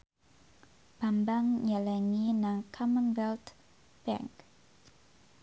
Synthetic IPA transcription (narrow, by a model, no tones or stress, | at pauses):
b̥ambaŋɲalaŋinaŋkʰamənwɛlt̪ | b̥ɛ̰ŋk